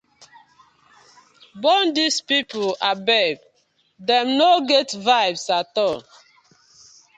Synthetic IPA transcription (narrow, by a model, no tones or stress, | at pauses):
bɔndispipuabɛb | dɛ̃mnoɡɛtvaɪbsatɔ